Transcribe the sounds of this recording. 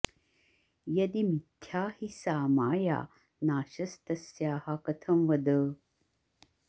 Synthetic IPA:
jɐd̪imit̪ʰːjaːhisaːmaːja̰ː | naːʃɐst̪ɐsjaːhakɐt̪ʰɐmʋɐd̪əː

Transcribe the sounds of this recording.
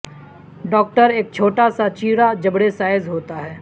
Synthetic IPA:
ɖɔːk̚ʈəɾeːk̚t͡ʃʰoːʈasat͡ʃiːɾad͡ʒɐbɽesaːɪzɦoːt̪aɦɛː

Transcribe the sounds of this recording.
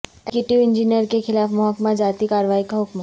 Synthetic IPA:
kjuʈiʋɪ̃nd͡ʒinijəɾkexɪlaːfmɔɦəkmad͡ʒaːt̪ikaːɾʋaːikaɦʊkm

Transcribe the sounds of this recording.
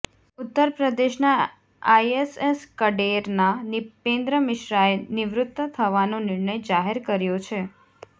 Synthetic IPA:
ut̪ːəɾpɾəd̪eʃna | aeseskəɖeɾnanɪpẽnd̪ɾəmɪʃɾaenɪʋɾʊt̪wət̪ʰəʋanõnɪɾnəjd͡ʒaɦeɾkəɾjot͡ʃʰe

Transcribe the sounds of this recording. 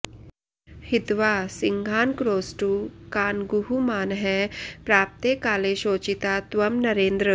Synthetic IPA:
hit̪ʋaːsiŋɡʱaːnkɾoːsʈukaːnɡuɦumaːnɦɛpɾaːp̚t̪eːkaːleʃoːt͡ʃit̪at̪ʋɐmnɐɾeːnd̪ɾə

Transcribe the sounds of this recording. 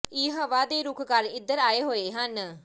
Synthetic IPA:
iːɦəʋaːd̪eːɾʊkʰkəɾɪd̪əɾaːeɦoːeːɦən

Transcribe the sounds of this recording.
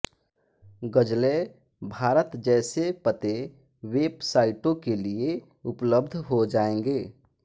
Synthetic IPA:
ɡəd͡ʒle | bʱaːɾət̪d͡ʒɛːsepət̪e | weːbsaːɪʈõkelie | ʊpləbd̪ʱɦod͡ʒaːẽŋɡeː

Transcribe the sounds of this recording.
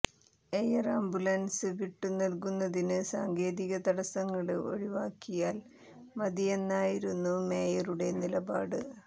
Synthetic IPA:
ejɐraːmbulɐnsɨʋiʈːɨnɐlkunːɐðinɨsa̰ːŋɡe̞ːðiɣɐd̪ɐɽɐsɐŋːɐɭɨo̞̰ɻiʋaːkːijaːl | mɐd̪ijenːaːjiɾunːume̞ːjɐruɽe̞nilɐbaːɽɨ

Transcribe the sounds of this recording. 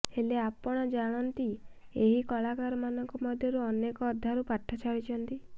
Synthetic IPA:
eleapɔɽ̃ɔd͡ʒaɽ̃ɔnt̪ieɦikɔlakaɾɔmanɔŋkɔmɔd̪ʱjɔɾuɔnekɔːd̪ʱːaɾupaʈʰːat͡ʃʰaɭit͡ʃʰɔnt̪i

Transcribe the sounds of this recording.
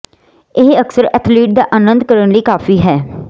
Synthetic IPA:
ɪɦəksəɾɛːt̪ʰliːʈ̚d̪aːʔaːnə̃nd̪kəɾəɳləiːkaːfiːɦɛː

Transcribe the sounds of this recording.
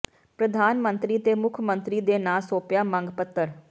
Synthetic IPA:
pɾəd̪ʱaːnmənt̪ɾiːt̪eːmʊkʰmə̃nt̪ɾiːd̪eːnaːsoːpjaːmə̃ŋɡpət̪ːəɾ

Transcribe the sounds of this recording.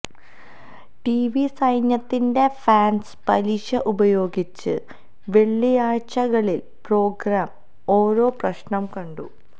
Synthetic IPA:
ʈiʋisɐjnjɐt̪ːinde̞faːnspɐliɕɐʔubɐjo̞ːɡit͡ɕːɨ̰ | ʋe̞ɭːijaːɻt͡ɕɐɣɐɭil | pro̞ːɡɾaːm | o̞ːɾo̞ːprɐɕɳɐmkɐɳɖu

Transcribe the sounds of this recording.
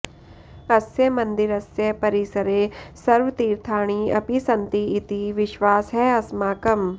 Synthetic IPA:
ɐsjɐmɐ̃nd̪iɾɐsjɐpɐɾisɐɾeːsɐɾʋɐt̪iːɾt̪ʰaːɽ̃iɐ̰pisɐnt̪iːt̪iʋɪʃʋaːsɦɛːɐsmaːkɐm

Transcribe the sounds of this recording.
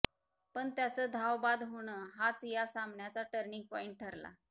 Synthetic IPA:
pəɳt̪jat͡səd̪ʱawbad̪ɦoɽ̃əɦat͡sjasambɳjat͡saʈəɾɳiŋɡ̚pɔiɳʈ̚ʈʰəɾla̰

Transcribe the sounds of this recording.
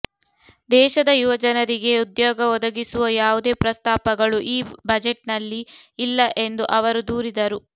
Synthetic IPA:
d̪ɛːʃɐd̪ɐjuʋɐd͡ʒɐnɐɾiɡe̞ud̪jɔːɡɐɔd̪ɐɡisuʋɐjaːʋud̪e̞ːpɾɐst̪aːpɐɡɐɭuʔiːbɐd͡ʒeʈnɐlːiːlːɐʔe̞nd̪uʔɐʋɐɾud̪uːɾid̪ɐɾu

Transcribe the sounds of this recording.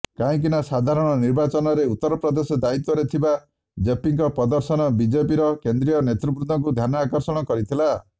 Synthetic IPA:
kaĩk̬inasad̪ʱaɾɔɽ̃ɔniɾbat͡ʃɔnɔɾeut̪ːɔɾɔpɾɔd̪esɔd̪ait̪wɔɾet̪ʰiba | d͡ʒepiŋkɔpɔd̪ɔɾsɔnɔbid͡ʒepiɾɔkend̪ɾijɔnet̪ɾubɾud̪ʱɔŋk̬ud̪ʱjanɔakɔɾsɔɽ̃ɔkɔɾit̪ʰila

